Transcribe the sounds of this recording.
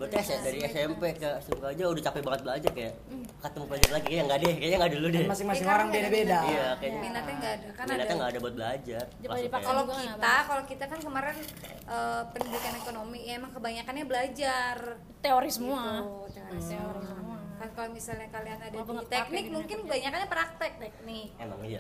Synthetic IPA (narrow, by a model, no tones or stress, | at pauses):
bəɾt̪sdaɾiɛsɛmpekəɛsɛmkad͡ʒaudaht͡ʃapɛbaŋət̪̚bəlad͡ʒarkaja | kat̪əmubəlad͡ʒarlaɡikajaŋɡadɛjkajaŋɡaduludimasɪŋmasɪŋoɾaŋbedabedaijakajaminat̪ɲaŋɡaːdakaninat̪ɲaŋɡaːdabuat̪̚bəlad͡ʒarlakalokit̪akalokit̪akankəmaɾɛn | ʔəpənidikanekonomijaemaŋkəbaɲakanɲabəlad͡ʒar | t̪eoɾɪsəmuat̪ | oɾskankalomisalɲakalianadat̪ɛk̚nɪk̚muŋkɪnkəbaɲakanɲapəɾak̚t̪ɛk̚t̪ɛk̚nɪk̚ema̰ŋia̰